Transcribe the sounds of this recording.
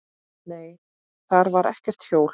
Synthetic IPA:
neːj | θaɾvaɾɛ̰hcɛr̥t̪θjoːwl

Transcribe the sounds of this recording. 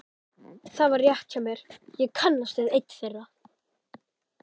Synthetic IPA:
θavaɾrjɛht̪camjɛɾ̥jɛɣkʰœnlast̪ɛðejt̪ːθejra

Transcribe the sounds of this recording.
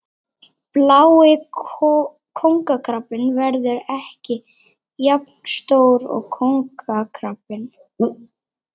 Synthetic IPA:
plaːwɪ | kʰowŋkakʰɾapːɪnvɛɾðʏɾɛhcɪ | japn̥st̪oːwɾɔ̰ɣkʰowŋkakʰɾapɪn

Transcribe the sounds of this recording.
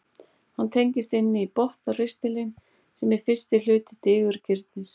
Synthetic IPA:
hant̪ʰejɲcɪst̪ɪnːɪipɔht̪arɪst̪ɪlɪn | sɛmɛɾ̥fɪr̥st̪ɪlʏːt̪ɪt̪ɪːɣʏɾcʰɪɾt̪nɪs

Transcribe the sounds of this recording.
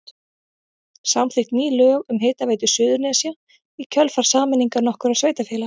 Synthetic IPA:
sawmθɪht̪niːlœːɣʏmɦɪːt̪aveːjt̪ʏsʏːðʏɾnɛasja | icʰœlfaɾ̥saːmɪniŋkaɾnɔhkʏɾaðsveːjt̪afjɛːla

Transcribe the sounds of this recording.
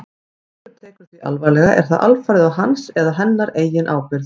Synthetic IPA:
t̪ʏɾt̪ʰɛːkʏɾ̥t̪viʔa̰lvaːjlɛɣaʔɛ̰ɾ̥θaðʔa̰lfaɾðɪawɦansɛðaɦɛnːaɾeːjɪnʔa̰ːwpɪɾð

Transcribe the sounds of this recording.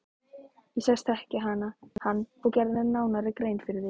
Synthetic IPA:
jɛsɛst̪ɛhcɪɦaːnahanːfɔɣcɛɾððɛnaːwnaɾɪkɾejnfɪɾðɪ

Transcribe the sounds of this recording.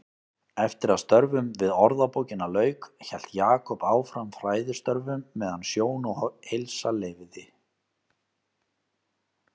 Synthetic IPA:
ɛft̪ɪɾaðst̪œɾvʏmvɪðɔɾðapowcɪnalœːɥkçɛl̥t̪jaːkʰɔpaːwfɾamfɾaːjðɪ̥st̪œɾvʏmːɛːðansjoːwnɔhejlsalɛːvðɪ

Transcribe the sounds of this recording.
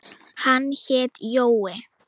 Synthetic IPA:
hançet̪jowe

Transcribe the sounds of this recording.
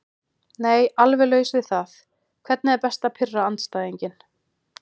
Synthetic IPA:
neːjalvɛlœːɥɣʏsvɪðθaθ | kʰvɛt̪nɪðɛɾpɛst̪apʰɪrːaant̪st̪aːðiɲcɪn

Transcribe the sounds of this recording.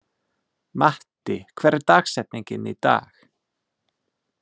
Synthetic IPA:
maht̪ɪkʰvɛːɾt̪aːxsɛt̪̚niɲcɪnit̪a̰ːx

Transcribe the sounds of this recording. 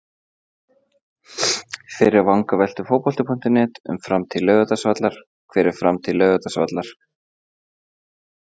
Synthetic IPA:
fɪːɾɪɾvaŋkavɛjl̥t̪ʏ̥foːwpɔlt̪ʏpʰɔn̥t̪ɪnɛːt̪ʏ̰mfɾamt̪ʰɪlːœːɣʏt̪asvat̪laɾ̥ | kʰvɛːɾɪɾ̥fɾamt̪ʰɪlːœːɣʏt̪asva̰t̪laɾ̥

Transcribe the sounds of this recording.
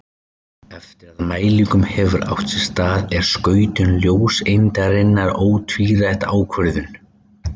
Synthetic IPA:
ɛft̪ɪɾaðmaːjliŋkʏmhɛvʏɾa̰wht̪sɛ̥st̪aːðɛɾ̥skœːɥt̪ʏnljoːwsejnt̪aɾɪnːaɾoːwt̪ʰviːɾajht̪aːwkʰvœɾðʏn

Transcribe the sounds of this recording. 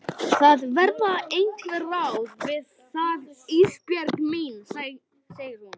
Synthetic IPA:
θaðvɛɾt̪naejŋkʰlvɛɾrawvɪð | θaðispjɛɾkmins | seːjɪɾ̥hun

